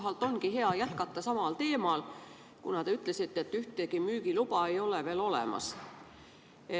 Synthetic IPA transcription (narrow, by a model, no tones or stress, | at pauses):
ɦɑlt̪ːˑo̞nkihɦe̞ɑjæt̪kɑt̪ːɑsɑmɑlt̪e̞ːmɑl | kunɑt̪eyt̪ːˑle̞sit̪ːet̪ːyht̪ekimyːkilupɑe̞jo̞leve̞ːlo̞lḛmɑ̰s | e